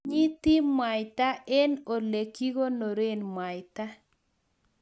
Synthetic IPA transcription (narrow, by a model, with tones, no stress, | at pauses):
ɲi˦t̪i˦mwa˨ɪt̪a˦ʔɛ˦no˨le˨ki˦ɣo˦no˨ɾe˦nmwa˨ɪta˦